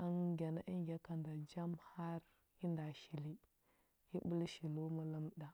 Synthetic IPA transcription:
ə˦ŋɡʲa˨na˦ʔi˦ŋɡʲa˦ka˨nda˨d͡ʒa˦mha˦ɾ | ji˦nda˨ʃi˨li˦ | ji˦bu˦lʃi˨lu˦ma˦lə˦mɗa˨

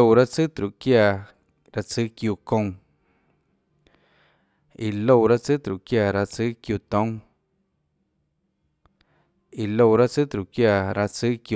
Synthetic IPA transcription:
o˧wɾa˦t͡sɨ˦t̪ɾu˨kjaː˧˨ | ɾa˧t͡sɨ˦kju˧kõ˧ŋ | i˨lo˧˨ɾa˦t͡sɨ˦t̪ɾu˨kja˧˨ɾa˧t͡sɨ˦kju˧˨t̪õ˦ | i˨lo˧˨ɾa˦t͡sɨ˦t̪ɾu˨ʔkjaː˧ɾa˧t͡sɨ˦ku˧

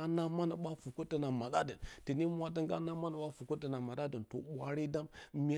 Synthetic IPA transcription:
a˦na˦ma˦na˨ɓa˦fu˨ku˦tə˦na˨ma˨ɗa˦də˨nti˨ni˦mʷ˦a˨˦də˦ŋɡa̰˦na˦ma˦na˨ɓa˦fu˨ku˦tːə˨na˨ma˨ɗa˦də˨nto̰˨ɓʷa˨ɾi˦da˦mmi˨˦

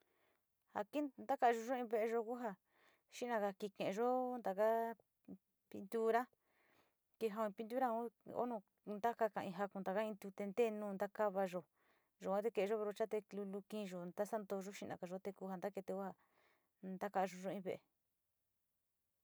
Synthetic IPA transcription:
ha˧ki˦nd̪a˦ka˧ʒo˧ʒo˦ĩ˧βe˧ʔe˧ʒo˧ku˦ɦa˧ | ʃi˦ʔnã˧ka˧ki˧kẽ˨ʔʒo˦nd̪a˨ka˦ | pi˧nd̪u˦ɾa˦ | ke˧ɦa˧õ˧ĩ˧pi˧nd̪u˦ɾa˦o˦o̰˦nõ˧ | nd̪a˦ka˧kã˧ʔĩ˧ɦa˧kũ˧nd̪a˨ka˦ĩ˧nd̪u˧t̪e˧nd̪e˦˨˧nũː˧nd̪a˦ka˦βa˧ʒo˧ | ʒo˨kʷã˦t̪e˧ke˧˨e˧ʒo˦βe˧ɾo˧t͡ʃa˦t̪e˧klu˧lu˧kĩː˦˧ʒo˨nd̪a˦sa˦nd̪o˧ʒo˦ʃi˦˧nã˨ka˧˨ʒo˦t̪e˧ku˧˦ha˧nd̪a˦ke˧t̪e˧ku˦ha˧ | nd̪a˦ka˧ʒo˧ʒo˦˧ĩ˧βe˧ʔe˧

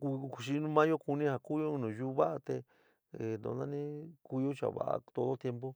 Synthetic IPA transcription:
ku˧ku˧ʃi˧nũ˦mã˦jo˦ku˧nĩ˦ha˧ku˦jo˦˧nũ˨ju˦˧βa˦ʔa˧t̪e˧ | e˨nõ̰˧nã˦nĩ˦ku˧jo˦t͡ʃa̰˨βa̰˨a̰˧t̪o˧ðo˦t̪je˧mpo˦

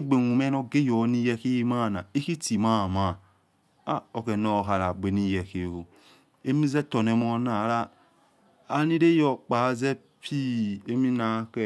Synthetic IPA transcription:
ɡ͡be˨nu˨me˦no˧ɡe˦jo˨˦ni˦˧jɛ˧ki˦ji˦ma˦˨na˨i˦ki˦ti˨ma˦˨ma˨ | a˦o˨ke˨no˨ka˨ɾa˨ɡ͡be˨ni˦jɛ˨ke˨o˨ | e˦mi˦zɛ˦to˨ne˨˦mo˧na˨˦ɾa˦ | ni˦ɾe˦jɔ˨k͡pa˨˦zɛ˦ | pʰi˦e˦mi˦na˨˦ke˦˨

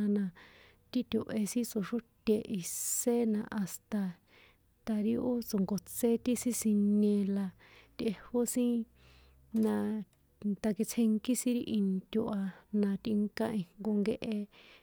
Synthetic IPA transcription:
a˧nã˧ | t̪i˦t̪ʲu˨ʔe˧sĩ˦t͡so˧ʂu˦t̪ʲe˧ʔi˧se˦nã˧ʔa˨st̪a˧ | t̪a˧ɾi˧o˦t͡so˨ŋɡo˨t͡se˦t̪i˦sĩ˦sĩ˧nẽ˧la˧ | t̪e˧ho˦sĩ˦ | nã˧ | t̪a˧ki˧t͡sʰẽ˧ŋki˦sĩ˦ɾi˧ʔi˧nt̪ʲu˧ʔa˧nã˧t̪i˧ŋkã˦˧ĩ˧ŋŋɡo˧ŋɡe˧ʔe˧

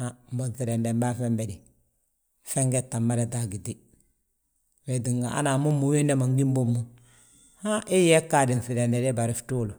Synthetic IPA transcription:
a˦mbo˦nθi˨ɾɛ˨nde˨mba˦fɛ˦mbɛ˨di˨ | fɛ˦ŋɡɛ˦tːa˨mːa˦ɾe˨da˦˨ɡi˨di˦ | we˨di˨ŋɡa˨a̰˦na˨mu˦mːu˨we˦ndɛ˦ma˨ŋɡi˦mbo˦mːu˦ | ha˦ʔi˦jɛ˦kːa˨di˨n˨θi˨ɾɛ˨ndɛ˨dɛ˦ba˨ɾi˦ftu˦lu˨

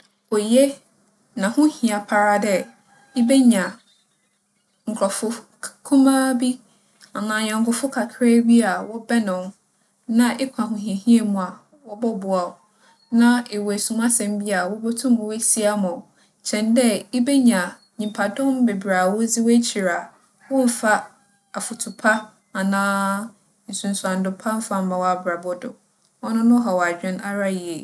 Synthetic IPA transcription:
ɔ˨je˦ | nã˨hʊ̃˦hĩ˨a˨pʰa˨ɾa˦dɛ˦ | e˦be˦ɲã˨ | ŋ̩˨kʰɾɔ˨fʊ˦ | kʰʊ̃˦mã˦bi˦ | a˨nãː˨ɲɔ̃˨ŋ˨kʰʊ˨fʊ˦kʰa˨kʰɾɛ˦ɥi˦a˨wɔ˦bɛ˦nʊ̃˨m | nã˦ʔe˦kʷʰã˨ɦʊ̃˨ɦĩ˨e˨ɦĩ˦e˦˨mũ˨a˨ | wɔ˦bɔ˦bʊ˨a˨ | nã˦e˨wɔ˨e˨sũ˨mã˦sɛ̃˨mbi˦a˨wɔ˦bo˦tʰũ˦mʊ̃˨we˦si˦a˦mɔ̃˨ | t͡ɕʰɛ̃˨ndɛ˦e˦be˦ɲã˨ | ɲĩ˨mpʰa˨dʊ̃˦m˦be˨bɾaː˨wo˦d͡zi˦wɔ˦t͡ɕʰi˨ɾa˨ | wɔ̃˦m̩˨fa˦ | a˨fʊ˨tʰʊ˨pʰa˦ | a˨nãː˦ | n̩˨sũ˨n̩˨sã˨n˨dʊ˨pʰa˦m̩˦fa˦m̩˦mã˨wa˨bɾa˨bɔ˦dʊ˨ | ɔ˦nʊ̃˦nʊ̃˦ɦɔ˨wa˨d͡ʑᶣɪ̃˦na˦ɾa˦ji˨e˨

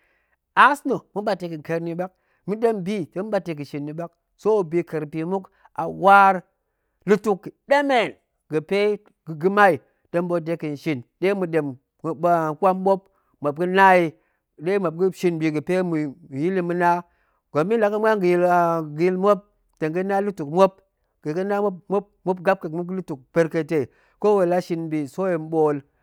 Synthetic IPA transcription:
a˦sno˨mu˦ɓa˨te˨kɨ˨ke˨˦ɾni˦ba˦k̚ | mɨ˦ɗe˦mbi˦te˨mu˦ɓa˨te˨k̬ɨ˨ʃi˨nːi˨ɓa˦k̚ | so˦˨bi˨kə˨ɾpi˨mu˦k | a̰˨wa˦ɾ | lɨ˦tu˦kːde˦me˨n | ɡɨ˨pe˦ | ɡɨ˨ɡɨ˦ma˦i˨ | de˦mbo˦de˨˦ki˨n˨ʃi˨nɗe˦mu˨ɗe˨m˨ | a˨kʷa˦mɓo˦p̚ | mo˨b̚ɡɨ˦na˦ji˨ | ɗe˦mo˨b̚ɡi˦ʃi˨nbi˨ɡɨ˨pe˦mu˨ji˦li˦mu˦na˦ | ɡ̥o˨mːi˦nla˨˦ka˦mʷ˦a˦ŋɡi˨ji˦lɡi˦lmo˦p̚ | te˨ŋɡɨ˦na˦lu˦tu˨kmo˦p̚ | ɡ̥ɨ˨ɡə˦na˦mo˦p̚mo˦b̚mo˦bɡa˦b̚ke˨mu˦ɡlu˦tu˨k̚pe˦ɾke˦˨te˨ | ko˦we˨la˦ʃi˦nbi˨so˦je˨m˦ɓo˦l

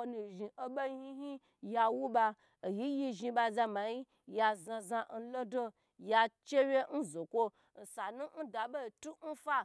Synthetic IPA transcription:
o˧nu˨ʒi˨ʔo˦ɓa˦i˦hi˦ɦi˦ | ja˧wu˦ba˧˨ | ji˦ji˧ʒi˧ba˧za˧ma˨ji˦ | ja˧zã˧zã˧n̩˦lo˦do˦ | ja˧t͡ʃe˦wʲe˦n̩˦zo˨kʷo˦ | n̩˨sa˨nũ˦n̩˦da˨bo˦˨tu˦n̩˦fa˦

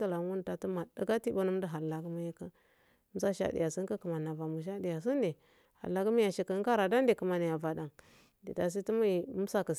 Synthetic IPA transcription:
ta˨la˨˦wu˦n˨˦ta˨tu˦ma˨da˦ɡa˦ti˦ba˦nu˦m˦di˦ɦa˨la˨ɡu˦mi˦ja˦ka˦ | sa˦ʃa̰˦dḭ˨ja˨si˦ŋ˦ka˦kə˨ma˨na˨va˨mu˨ʃ̬a˦di˨ja˨s̬i˦ndi˨ | ha̰˨lːa˨˦ɡu˦mi˦ja˨ʃi˨kə˦ka˦ɾa˨da˦ndi˨kə˨ma˨ni˨ja˨va˨da˨ŋ | di˨da˨s̬i˦ti˦mu˦ji˨˦sa˦kə˨

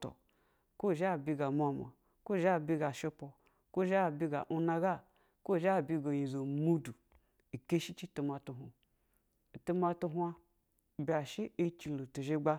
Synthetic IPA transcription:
to̰˨ | ko˦˨ʒa˦˨bʲi˧ɡa˨mʷ˨a˧ma̰˨ | ko˦˨ʒa˦˨bʲi˧ɡa˨ʃe˧po˨ | ko˦˨ʒbi˧ɡa̰˨ʔu˧na˧ɡa˦ | ko˦˨ʒa˦˨bʲi˧ɡo˨ji˨zo˨mu˦du˨ | i˨ke˦ʃi˦t͡ʃi˦tu˧ma˧tu˧ɦu˨ | tu˧ma˧tu˧ɦʷa˧˨ | bʲi˨a˨ʃi˦e˦t͡ʃi˧lo˨tu˨ʒe˧˦ɡ͡ba˧

